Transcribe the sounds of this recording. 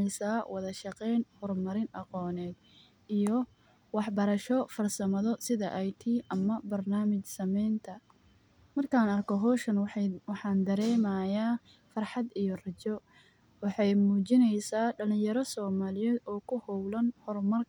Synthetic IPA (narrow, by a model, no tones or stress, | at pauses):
ɛjsaːwɑðɐʃɑqɛjnhɔrmɐɾɪnʔɑqɔːnɛːd̪ | ijɔ | wɑħbɐɾɐʃɔfɐrsɐmɐðɔsɪðɐ̰ʔjt̪ʰiːʔɐmɐbɐrnaːmɪt͡ʃsɐmɛjnt̪ʰɐ | mɐrkʰaːnɐrkʰɔɦɔːʃɐnwɑħɑːnd̪ɐɾɛːmaːjaː | fɐrħɑd̪ijɔrɐt͡ʃɔ | wɑħɑjmuːt͡ʃɪnɛjsaːɖɐlɪ̃njɐɾɔsɔːmaːlɪjɛːd̪ɔːkʰʊhɔwlɐnhɔrmɐrk